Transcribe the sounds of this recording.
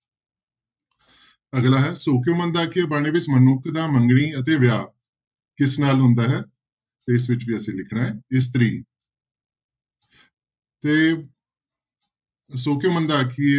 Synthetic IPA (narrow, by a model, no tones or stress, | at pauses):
əɡlaːɦɛːsoːk̬ijõːmə̃nd̪aːkʰːɪeːbaːɽ̃eːʋɪt͡ʃmənʊkʰd̪aːməŋɡɽiːət̪eːʋjaː | kɪsnaːlɦʊ̃nd̪aːɦɛː | t̪eːɪsʋɪt͡ʃʋiːəsĩːlɪkʰɽãːɦɛːɪs̬t̪ɾḭː | t̪eː | soːkijoːmənd̪aːkʰie